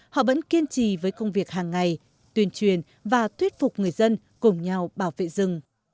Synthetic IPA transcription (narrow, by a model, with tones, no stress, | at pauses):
hɔ̰˧˨və̰˧˥nki˧ənt͡ɕi˧˩˨vəː˨˦jkə˧wŋ͡mvi˨˩ək̚haː˨˩ŋːa˨˩j | t̪wi˧ənt͡ɕwi˨˩ən | vaː˨˩t̪ʰwi˦˥ət̚fʊ˨˩k͡p̚ŋɨ˨˩əjzə˧n | kʊ˨˩ŋ͡mɲa˧wɓaː˧˩wvḛ˧˨zɨ˨˩ŋ